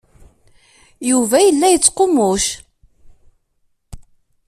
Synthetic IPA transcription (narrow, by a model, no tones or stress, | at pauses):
juvæjəlːæjət͡sːqomʊʃ